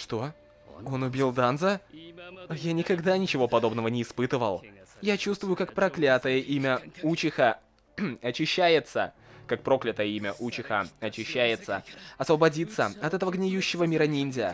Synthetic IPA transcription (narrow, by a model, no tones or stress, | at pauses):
ʂt̪o̞ | ɡonʊbʲilˠd̪anzə | janʲɪkɐɡd̪anʲɪt͡ɕɪvo̞pɐd̪o̞bnəvənʲɪːspɨt̪ɨvə̰lˠjat͡ɕust̪vʊjʊkak̚pɾɐklʲat̪əjəʔimʲəut͡ɕɪxə | ɐt͡ɕɪɕːæjɪt̪səkak̚pɾo̞klʲɪt̪əjəimʲəʔut͡ɕɪxəɐt͡ɕɪɕːæjɪt̪sə̰ɐsvəbɐdʲit̪səɐt̪ɛt̪əvəɡnʲɪjuɕːɪvəmʲiɾɐnʲinʲdʲɪə